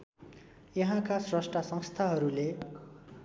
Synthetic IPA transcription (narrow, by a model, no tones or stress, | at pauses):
jʌɦãkasrʌsʈrʌsʌ̃ŋst̪ʰaɦʌɾule